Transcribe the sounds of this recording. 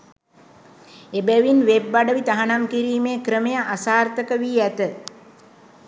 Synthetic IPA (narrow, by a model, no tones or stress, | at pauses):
ebæʋinʋebːaɖəʋit̪aɦanamkiɾiːmeːkɾəmejaʔasaːrt̪əkəʋiːæt̪ə